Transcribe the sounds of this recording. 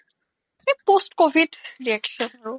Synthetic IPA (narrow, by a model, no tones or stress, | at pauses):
epostkobʱidɹiakʃɔnaɹu